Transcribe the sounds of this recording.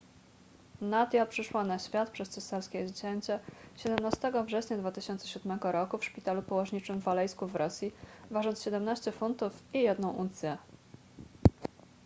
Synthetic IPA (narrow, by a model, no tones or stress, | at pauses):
nad̪ʲjapʂɘʂwanaɕfʲjat̪̚pʂɛst̪sɛsaɾskʲɛzd͡ʑɛɲt͡ɕɛɕɛd̪ɛmnast̪ɛɡɔvʐɛɕɲad̪vat̪ɘɕɔnt̪sɛɕud̪mɛɡɔɾɔkufʂpʲit̪alupɔwɔʐɲit͡ʂɘmvalɛjskuvɾɔsʲjivaʐɔntsɕɛd̪ɛmnaɕt͡ɕɛfunt̪ufijɛd̪nɔ̃w̃ʔut̪sʲjɛ